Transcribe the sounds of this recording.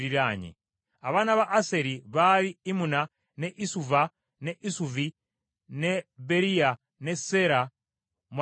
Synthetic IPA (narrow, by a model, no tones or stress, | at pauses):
ɾiɾaɲḭ | aβanaβaʔːseɾiβaɾiimuna | neʔisuva | neʔisuvi | nebeɾija | neseɾa | mw